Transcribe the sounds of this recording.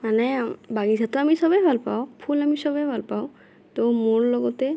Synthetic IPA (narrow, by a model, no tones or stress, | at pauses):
manɛbaɡizʱat̪ɔamisɔbɛbʱalpaʊpʰulamisɔbɛbʱalpaʊ | t̪omoɹlɔɡɔtɛ